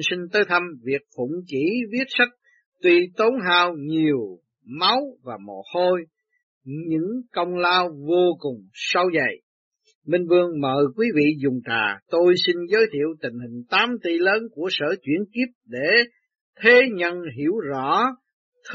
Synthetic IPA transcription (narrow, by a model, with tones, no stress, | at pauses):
si˧ŋ̟t̪əː˨˦jt̪ʰə˧mvi˨˩ək̚fʊ̰˧˩ŋ͡mt͡ɕi˧˥vi˦˥ət̚sa˦˥k̚ | t̪wi˧t̪o˨˦nɦaː˧wɲi˨˩əw | ma˨˦wvaː˨˩mo̰˨˩t̚ho˧j | ɲɨ̰˧˥ŋkə˧wŋ͡mlaː˧wvo˧kʊ˨˩ŋ͡msə˧wzə˨˩j | mï˧ŋ̟vɨ˧əŋmə̰ː˧˨˩jkwi˨˦vḭ˧˨zʊ˨˩ŋ͡mta̰ː˨˩t̪o˧jsi˧nzəː˨˦jt̪ʰḭ˧˨əwt̪ï˨˩ŋ̟hï˨˩ŋ̟t̪aː˨˦mt̪i˧ləː˨˦nku˧˩əsə̰ː˧˩t͡ɕwḭ˧˩ənki˦˥əp̚ɗe˧˩ | t̪ʰe˨˦ɲə˧nɦi˧˩əwzɔ̰˧˥ | t̪ʰ